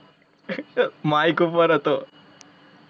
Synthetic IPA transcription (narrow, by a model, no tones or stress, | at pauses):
maːjikupɐɾɐt̪oː